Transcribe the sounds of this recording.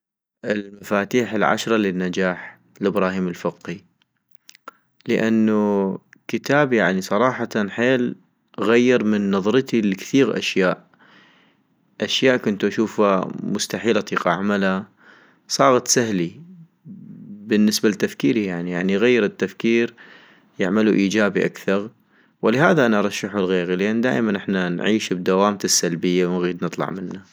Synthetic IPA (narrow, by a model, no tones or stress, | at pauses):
ʔɪlmafaːt̪iːħɪlʕa̰ʃɾˤɑlɪnːad͡ʒaːħ | lʔɪbɾɑːhiːmɪlfɪqi | ləʔanːukɪt̪aːbjaʕnisˤɑɾˤɑːħɑt̪nħeːl | ɣajːɪɾmɪnːɑðˤɾɨt̪ilkθiːɣʔa̰ʃjaːʔ | ʔaʃjaːʔkʊnt̪uʔaʃuːfa̰mʊst̪aħiːlat̪ˤiːqaʕamala | sˤɑːɣɑt̪sahli | bɪnːɪsbalt̪ːafkiːɾijaʕnijaʕniɣajːɪɾɪt̪ːafkiːɾ | jɪʕmaluʔiːd͡ʒaːbiʔa̰kθɑɾˤ | wɪlɪɦaːðaʔanaʔɑɾˤɑʃːaħulɣeːɣilɪʔanːd̪a̰ːʔmanʔɪħnanʕiːʃbd̪awaːmt̪ɪsːalbɪjːawnɣiːd̪nɨt̪ˤlɑ̰ʕmɪnːa